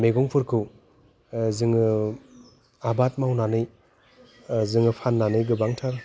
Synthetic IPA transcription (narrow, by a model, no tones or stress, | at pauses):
meɡɔŋpʰɯɾkʰɯw | zɯŋɯ | abat̚mawnanɯj | zɯŋɯpʰanːanɯjɡɯbaŋtʰaɾ